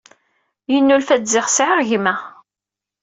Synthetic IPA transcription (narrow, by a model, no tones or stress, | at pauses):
jənːulfæzɪʁsʕəʁʝimæ